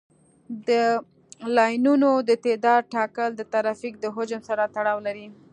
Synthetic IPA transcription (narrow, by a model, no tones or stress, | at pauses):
d̪ə | lɑjnunod̪ət̪ed̪ɑd̪̚ʈɑkəld̪ət̪aɾɑfik̚d̪əɦʊd͡ʒəmsaɾat̪aɽɑwlaɾi